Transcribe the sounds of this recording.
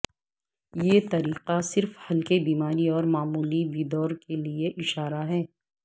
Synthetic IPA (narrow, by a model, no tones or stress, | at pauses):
jeːt̪ɐɾiːqasɪɾfhɐlkebiːmaːɾiɔːɾmaːmuːlibiːd̪ɔːɾkelieʔɪʃaːɾaɦɛː